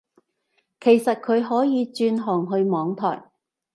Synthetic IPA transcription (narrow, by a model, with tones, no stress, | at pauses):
kʰe˨˩jsɐ˨t̚kʰɵ˨˧ɥɦɔː˨˥jiː˨˧t͡ʃyː˧nɦɔː˨˩ŋɦɵ˧ɥmɔː˨˧ŋt̪ʰɔ̰ː˨˩j